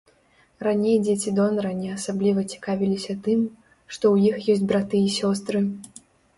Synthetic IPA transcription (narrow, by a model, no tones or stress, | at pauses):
ranʲejd͡zʲet͡sʲid̪ɔnɐɾɐnʲɛasablʲivɐt͡sʲi̥kavʲilʲisʲɐt̪ɨm | ʂt̪ɔwjixjɔsʲt͡sʲbɾat̪ɨisʲɔst̪ɾɨ